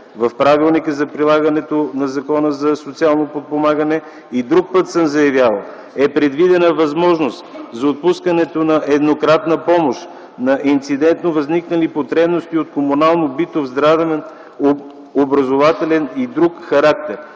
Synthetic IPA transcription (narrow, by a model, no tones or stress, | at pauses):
vɐfpɾavilˠnikəzɐpɾilˠaɡɐnɛt̪onɐzɐkɔnəzɐsot̪sialˠnopot̪̚pomaɡənɛ | id̪ɾuk̚pət̪səmzɐjɐvʲjalˠə | ɛpɾɛd̪vid̪ɛnəvɐzmɔʒnost̪zɐot̪̚puskɐnɛt̪onɐʔɛd̪nokɾat̪nəpɔmoʃ | nɐʔint̪sid̪ɛnt̪novɐzniknəlipot̪ɾɛbnost̪iot̪̚komunalˠnobit̪ovzd̪ɾad̪əvɛn | obɾɐzovat̪ɛlɛnid̪ɾukxɐɾak̚t̪ɛɾ